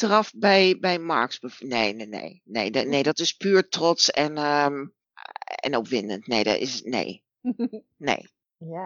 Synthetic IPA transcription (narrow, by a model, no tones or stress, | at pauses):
trɑfbɛjbɛjma̰ɹksbəfneːnenḛjnḛjdneːdɔtɪspyːɹtrɔt͡sɛn | ɛ̰nopʋɪndə̰ntnḛːdɔ̰ɪ̰snḛː | nḛː